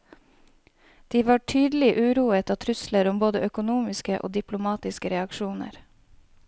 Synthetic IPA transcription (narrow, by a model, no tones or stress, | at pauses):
d̪̥iːʋɑːʈʰyːd̪l̩ɪʔʉːɾuːət̪ɑːt̪ʰɾʉsləɾʊmboːd̪əʔœkʊnuːmɪskəʔo̰ːd̪ɪplʊmɑːt̪ɪskəɾɛɑkʃuːnə̰ɾ